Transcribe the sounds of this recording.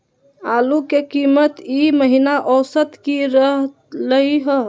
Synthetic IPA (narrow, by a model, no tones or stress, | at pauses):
aːlukekimət̪iməɦinaʔɔːsət̪kiɾəɦ | ləɦiɦə